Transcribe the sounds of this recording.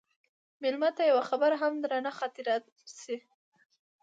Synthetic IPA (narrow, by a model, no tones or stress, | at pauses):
mɪlmat̪ajawaxabaɾaɦamd̪ɾanaxɑt̪ɪɾɑt̪̚ | si